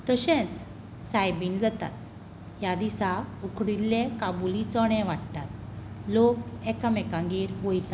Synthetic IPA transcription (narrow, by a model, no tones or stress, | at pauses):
t̪əɕɛ̃t͡s | sajbiːnd͡zat̪a̰t̪̚ | jad̪isaukʰɽilːẽkabulit͡sɔɽ̃ɛ̃ʋaʈt̪at̪̚ | lokɛkamɛkãŋɡiːɾɦojt̪a